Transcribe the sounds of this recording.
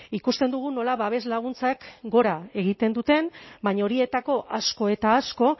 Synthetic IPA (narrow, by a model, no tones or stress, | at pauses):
ikust̪e̞nd̪uɣ̞uno̞laβaβe̞zlaɣ̞unt͡sakɡo̞ɾae̞ɣit̪e̞nd̪ut̪e̞mbaɲaoɾie̞t̪ako̞ʔasko̞e̞t̪aːsko̞